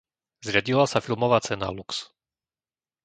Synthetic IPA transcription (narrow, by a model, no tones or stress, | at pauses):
zɾɪaɟilasafilˠmɔʋaːt͡sɛna̰luks